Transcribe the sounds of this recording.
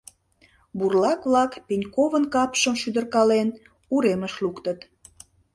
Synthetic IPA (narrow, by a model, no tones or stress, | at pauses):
burlɑkβlɑkpenʲkovənkɑpʃəmʃyd̪ərkɑlen | uɾeməʃlukt̪ət̪